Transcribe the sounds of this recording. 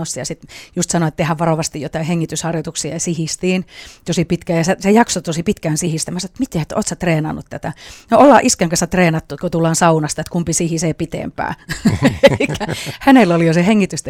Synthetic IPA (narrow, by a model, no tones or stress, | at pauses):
osːɑjɑsit̪just̪sɑnoet̪t̪ehæʋʋɑroʋɑst̪ijjot̪ɑˑiheŋːit̪yshɑrjot̪uksiɑsihist̪iːnt̪osipit̪kæːjɑsesejɑksot̪osipit̪kæːnsihist̪æmæsɑnŏet̪mit̪eet̪o̰ːt̪sæt̪reːnɑnːut̪t̪æt̪ænoolːɑːʔiskeŋkɑsæt̪reːnɑt̪ːukot̪ulːɑːnsɑunɑst̪ɑet̪kumpisihiseːpit̪ḛmpæ̰ːelikːæhænelolijoseheŋːit̪yst̪